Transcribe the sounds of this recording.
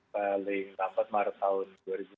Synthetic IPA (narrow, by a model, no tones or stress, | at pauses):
palɪŋt̪ampat̪̚maɾat̪aʊnduaɾibu